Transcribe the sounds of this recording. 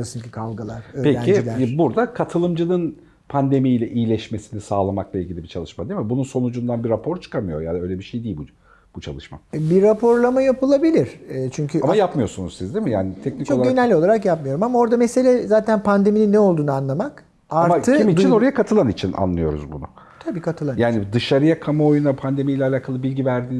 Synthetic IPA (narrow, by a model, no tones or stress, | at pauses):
asɯncʰi̥kʰalˠɡalˠaɾøːpʰeɾænid͡ʒilʲæɾbuɾd̪akʰat̪ʰɯlˠɯmd͡ʒɯlɯn | pʰand̪e̞mijlʲɛʔijilʲɛʃme̞sinisaːlˠamaklˠailʲɟilʲibit͡ʃʰalˠɯʃmad̪imibununso̞nud͡ʒund̪anbiɾapʰo̞ɾt͡ʃʰɯ̥kʰamɯjo̞jad̪ø̞jlʲɛbiʃejd̪iːlʲbu | b̥ut͡ʃʰa̰lˠɯʃma̰biɾːapʰo̞ɾlˠamajapɯlˠabilʲiɾ̥ɛt͡ʃʰyɲcʰyamaajapmɯjo̞ɾsunuzsizd̪imijaːnit̪ʰɛkcnikt͡ʃoainɛlʲːo̞lˠaɾakjapmɯjo̞ɾumamao̞ɾd̪amese̞lʲɛzaːt̪ʰænpʰand̪e̞mininːɛo̞lˠd̪uːnɯanlˠamak | aɾaɾmaɯimit͡ʃʰino̞ɾajakʰat̪ʰɯlˠanit͡ʃʰina̰nlˠɯjo̞ɾṵzbunʊ̰ | t̪ʰabiːkʰat̪ʰɯlˠanjaːnid̪ɯʃaɾɯjakʰamaojunapʰand̪e̞mijlʲɛalʲaːkʰalˠɯbilʲɟivæɾd̪iː